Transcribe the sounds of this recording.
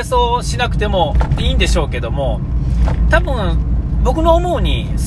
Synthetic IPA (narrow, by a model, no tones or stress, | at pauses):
so̞ːɕinakɯ̟̥t̪e̞mo̞iːnd̪e̞ɕo̞ːke̞d̪o̞mo̞ | t̪abɯ̟̃ɴbo̞kɯ̟noːmoːɲ̟is